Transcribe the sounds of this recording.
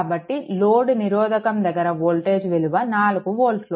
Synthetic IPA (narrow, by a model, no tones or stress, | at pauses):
bɐʈːiloːɖuniɾɔːd̪ɐkɐmd̪ɐɡːɐɾɐʋoːlʈe̞ːd͡ʒʋeluʋɐnaːluɡuʋoːlʈlo